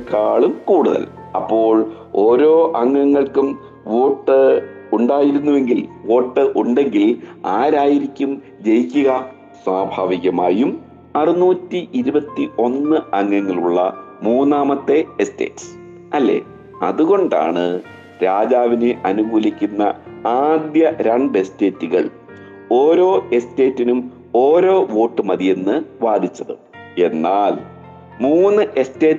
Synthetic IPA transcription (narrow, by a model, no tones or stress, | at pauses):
kaːɭumkuːɽuðɐ̰lɐ̰pːo̞ːɭ | o̞ːɾo̞ːʔɐŋːɐŋːɐɭkum | ʋoːʈːɨuɳɖaːjiɾunːuʋe̞ŋɡilʋo̞ːʈːɨʔuɳɖe̞ŋɡilaːɾaːjiɾikʲːum | d͡ʑe̞jikʲːuɣɐ | swaːbʱaːʋiɣɐmaːjum | ɐrɨnuːtːiʔiɾubɐt̪ːiʔo̞nːɨɐŋːɐŋːɐɭuɭːɐ̰muːnːaːmɐt̪ːe̞este̞̰ːʈs | ɐlːe̞̰ | ɐ̰ðuɣo̞ɳɖa̰ːɳɨ | ɾaːd͡ʑaːʋineʔɐnuɡuːlikʲːunːɐaːd̪jɐɾɐɳbe̞ste̞ːtːuɣɐ̰ɭ | o̞ːɾo̞ːe̞ste̞ːtːinum | o̞ːɾo̞ːʋo̞ːʈːɨmɐðije̞nːɨʋaːd̪ʱit͡ɕːɐðɨ̰ | e̞nːaːl | muːnːɨʔeste̞ːt